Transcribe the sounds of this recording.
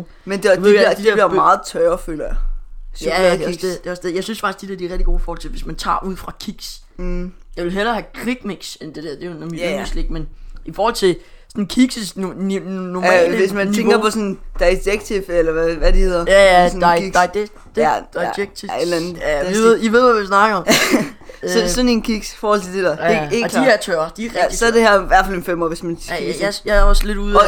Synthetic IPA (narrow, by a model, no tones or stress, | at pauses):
mend̥euʋḛɐd̥i̥iɐliɐmɑ̈ːð̩ˠt͡sʰœːɐføːlɐj | jæ̥eɒsded̥e̝ɒ̽sd̥eðˠjɑɪsynsfɑ̈ɡ̥isd̥id̥eɐd̥iɐʁɛɡ̥̚d̥i̥ɡo̝̰ːifɔːhɒlt͡sʰe̝ʋe̝smænt͡sʰɑ̰̈ːʔuð̰ˠfʁɑ̈kʰiɡ̥s | jɑɪʋe̝lɦelɐhækʰʁiɡ̥meɡ̥send̥e̝d̥æɐ̰d̥e̝jonmisle̝ɡ̥menifɒːhɒ̽l̰t͡sʰe̝ | sɔnkʰiɡ̥səsnnɔ̰lesmænnʰieŋɡ̥ɐpʰɒ̽sɔnd̥ɑ̈ɪd̥eɡ̥̚t͡sʰifelɐʋæʋæd̥ihe̝ð̰ˠɐjææsɔ̽niɡ̥ | d̥d̥eɡ̥t͡sʰied̥lænð̩̥ˠiʋeð̰ˠʋiʋe̝ð̞ˠʋæʋisnɑ̈ɡ̥ɐɒm | sɒsɔnenkʰiɡ̥sfɒːhɒ̽l̰t͡sʰe̝d̥e̝d̥æɐeeːklæt͡sʰøɐd̥i̥isɒ̽ɐd̥e̝hæɐ̰ʋæɐfælenfemɔ̰ːʋe̝smænjajɑɒsle̝duðˠ